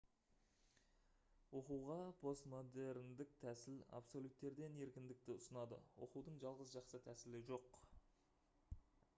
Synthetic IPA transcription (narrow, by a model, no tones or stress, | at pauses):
wo̞quwʁɑpʰo̞st̪mo̞d̪e̞ɾɪnd̪ɪk̚t̪ʰæsɪla̰pso̞lʲut̪ːe̞ɾd̪e̞ne̞ɾkʲɪnd̪ɪk̚t̪ɪʊsənɑd̪ə̰wo̞̰quwd̪əɴʒɑlˠʁəzʒɑqsət̪ʰæsɪlɪʒo̞q